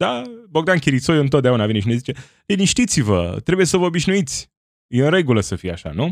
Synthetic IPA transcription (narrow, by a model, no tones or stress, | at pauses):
d̪abo̞ɡd̪ankʲiɾit̪sojɨnt̪̬ot̪d̪eaunavineʃine̞zit͡ʃe̞ | liniʃt̪it̪sivə̰t̪ɾe̞buje̞səvəobiʃnuit̪sʲ | jeɨnɾe̞ɡuləsəfijeaʃa̰nu